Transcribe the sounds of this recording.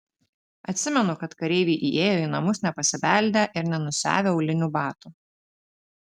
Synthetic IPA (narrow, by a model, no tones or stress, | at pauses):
ɐt̪ʲsʲɪmʲɛnʊkɐt̪kɐɾʲɛɪʋʲiʔiːʔeːjoːinɐmʊsnʲɛpɐsʲɪʋʲæˑlʲd̪ʲeʔɪɾnʲɛnʊsʲæ̰ːʋʲeːʊlʲɪnʲuːbɑːt̪uː